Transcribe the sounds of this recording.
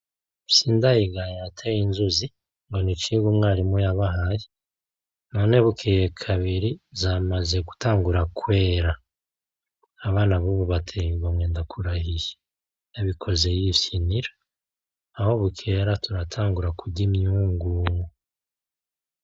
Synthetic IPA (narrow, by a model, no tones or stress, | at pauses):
siːndajiɡaɲatʰejinzuzi | ŋɡo̞nit͡ʃiɡumŋaːɾimujaβaɦaji | no̞ne̞βukʰejekʰaβiɾizamazeɡu̥taːŋɡuɾakwe̞ːɾa | aβaːnaβuβuβatʰejβamwe̞ːndakʰuɾahije̥ | naβikʰo̞ze̞jifiniɾa | aho̞βukʰeɾatuɾatʰaːŋɡuɾakʰuɟimɲuweŋɡuːŋu